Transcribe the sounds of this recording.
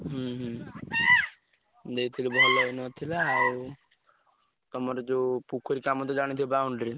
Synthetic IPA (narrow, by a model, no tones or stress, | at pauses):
ɦuɦ | d̪eit̪ʰilibʱɔlɔjnɔt̪ʰilaːw | t̪ɔmɔɾɔd͡ʒopukʰɔɾikamɔt̪ɔd͡ʒaɽ̃it̪ʰilbawɳɖɾi